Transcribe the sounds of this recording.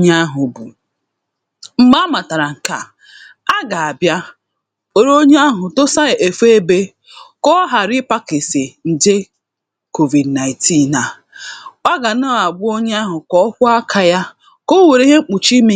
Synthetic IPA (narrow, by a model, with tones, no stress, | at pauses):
ɲa˦ɦʊ˨bu˨ | m̩˨ma˦ma˨ta˨ɾa˨ŋ̩˨ka̰˨ | a˦ɡa˨a˨bja˦ | o˨ɾo˦ɲ˦a˦ɦʊ˨to˦sa˦˨ʔe˨fe˦e˦be˦ | kɔ˦ɦa˨ɾɪ˦pa˦ke˨se˨n̩˨de˦ | ko˨vi˨dna˨ɪ˨ti˦˨na˨ | a˦ɡa˨na˦˨a˨ɡ͡bʊ˦o˦ɲe˦a˦ɦʊ˨kɔ˦kʷʊ˦a˦kʰa˨ja˦ | ko˦we˨ɾe˦ɦe˦ŋ͡m̩˦k͡pu˨t͡ʃi˦mi˦